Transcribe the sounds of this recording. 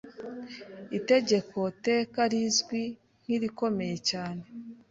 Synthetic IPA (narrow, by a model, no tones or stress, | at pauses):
ite̞ɟe̞ko̞te̞ːkaɾizɡwi | n̥hiɾiko̞me̞je̞caːne̞